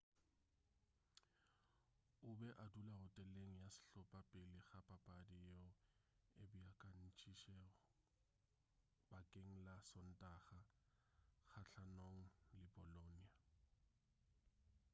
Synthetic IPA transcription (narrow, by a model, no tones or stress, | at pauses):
ʊbɛʔadulaɣʊtʼɛleŋ̩jasɪ̥ɬɔpʼapʼɪlɪχapʼapʼadijɔ | ebʊjakʼan̩t͡ʃʰʼiʃɛʊ | bakʼeŋ̩lasɔn̩tʼaːχa | χaɬʰanoŋ̩lɪbɔlonia